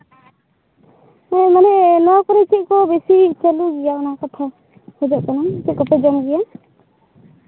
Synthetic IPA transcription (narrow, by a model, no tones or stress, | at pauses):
mɛmanɛnɔkɔɾɛt͡ʃʰiʔ̚kɔbesit͡ʃaluɡijaɔnakat̪ʰa | hɔd͡ʒɔʔkanɔmt͡ʃikɔpɛd͡ʒɔmɡɛja